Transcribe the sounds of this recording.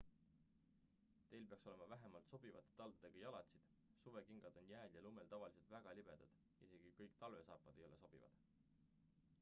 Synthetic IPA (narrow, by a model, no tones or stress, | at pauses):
t̪e̞jlpeɑkso̞le̞mɑvæɦemɑlt̪so̞b̥ivɑ̰t̪ːˑe̥t̪ɑld̪ud̪̥e̞ɡ̥ɑjɑlɑt̪ʲsid̪̥ | suve̞kiŋɡ̥ɑd̪̥o̞njæːljɑlume̞lt̪ɑvɑlise̞lt̪væɡ̥ɑlʲib̥e̞d̪̥ɑd̪̥ | ise̞ɡ̥ikɤjkt̪ɑlve̞sɑːpːˑɑd̪̥e̞jo̞le̞so̞b̥ivɑ̰d̪̥